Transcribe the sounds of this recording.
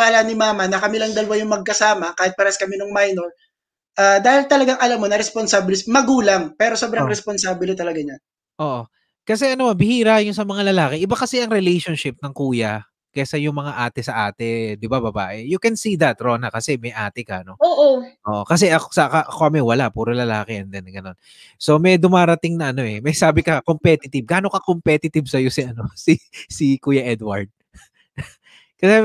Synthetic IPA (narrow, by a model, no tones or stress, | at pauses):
aːlɐnɪmaːmɐnɐkɐmɪlɐŋd̪ɐlɐwajʊŋmɐɡ̚kɐsaːmɐkaːhɪt̪̚pɐɾɐskɐmɪnʊŋmajnol | ʔad̪aːhɪlt̪ɐlɐɡaŋʔɐlamːonɐɾɛsponsabɪlɪsmɐɡuːlaŋpɛːɾo̞sobɾaŋɾɛsponsaːbɪlɪt̪ɐlɐɡaɲan | ʔoːʔo | kɐsɛʔɐnomanbɪhiːɾajʊnsɐmɐŋalɐlaːkɛʔɪbakɐsɛʔɐŋɾɛlejʃonʃɪp̚nɐŋkuːjɐ | kɛsɐjʊŋmɐŋaʔaːt̪ɛsɐʔaːt̪ɛd̪ɪbabɐbaːʔɛjʊkɛnsid̪ɐt̪ɾo̞ːnɐkɐsɛmɐjʔaːt̪ɪkɐno̞oːʔoʔoːʔokɐs̬ɛʔɐksɐkɐʔɐkoʔɐmɛjwɐlaʔpuːɾɐlɐlaːkɛʔɛnd̪ɛnɡɐno̞n | so̞mɛjd̪ʊmaːɾɐt̪ɪŋnɐʔɐno̞ʔɛmɐjsaːbɪkɐkompɛt̪ɪt̪ɪb̚ɡaːno̞kɐkompɛt̪ɪt̪ɪbsɐjo̞sɪʔɐno̞sisikuːjɐʔɛd̪wɐ̰ɹd̪̚ | kɐsɛ